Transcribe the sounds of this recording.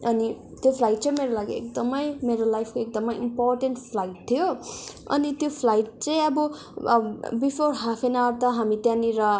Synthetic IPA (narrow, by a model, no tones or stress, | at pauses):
ʔʌni | t̪jopʰlajʈ̚t͡sʌ̃j̃meɾolaɡiḛk̚d̪ʌmʌjmeɾolajpʰkoek̚d̪ʌmʌjimporʈenʈpʰlajʈ̚t̪ʰijoʌ̰nit̪jopʰlajʈ̚t͡sʌ̃j̃ʌbʌ | bipʰoɾɦapʰenawɾt̪ʌɦamit̪jãniɾʌ